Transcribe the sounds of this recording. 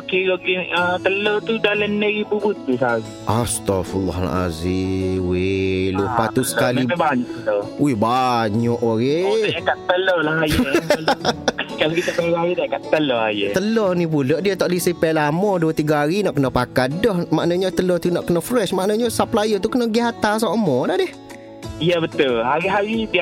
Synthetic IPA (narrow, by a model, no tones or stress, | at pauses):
okeɾoɡiət̪əlot̪udalənəɾibubʊt̪̚ːusaɾiʔast̪afulːɔ̰ɦa̰la̰ziwelupat̪usə̥kalipɛbaɲɔʔt̪owehbaɲɔʔoɣeaakaʔt̪əlolaɦajəlkalokit̪apeaɾiaɾidaakat̪əlɔajət̪əlɔhnipulɔʔdiət̪ɔʔlisipɛlamɔduət̪iɡaɦaɾinɔʔkənɔpakat̪̚dɔhmaʔnaɲət̪əlɔt̪unɔʔkənɔʔfɾɛʃmaʔnaɲəsaplajət̪̬ukənɔɡiɦat̪as̬amɔdadɪh | ijəbət̪ʊlɦaɾiɦaɾit̪ia